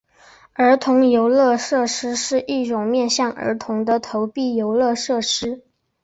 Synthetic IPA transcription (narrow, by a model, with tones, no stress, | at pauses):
ə˞˧˥t̪ʰʊ˧˥ŋjo˧˥ʊlɤ˥˧ʂɤ˥˩ʂɻ̩˥ʂɻ̩˥˧ʔi˥˩ʈ͡ʂʊ˨˩ŋmjɛ˥˧nɕjɑ˥˩ŋʔə̰˞˧˥t̪ʰʊ˧˥ŋd̪ə˧t̪ʰo˧˥ʊpi˥˩jo˧˥ʊlɤ˥˧ʂɤ˥˩ʂɻ̩˥